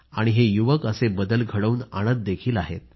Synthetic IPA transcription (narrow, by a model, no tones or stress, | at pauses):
aɽ̃iɦejuʋəkəsebəd̪əlɡʱəɽəuːna̰ɽ̃ət̪̚d̪ekʰiːlaɦḛt̪̚